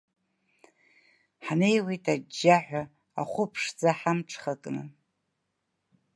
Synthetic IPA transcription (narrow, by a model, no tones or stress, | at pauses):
ħne̞jwejtʼad͡ʒːaħᶣʷa | a̰χʷʊpʰʂd͡zaħamʈ͡ʂʰχakʼnɨ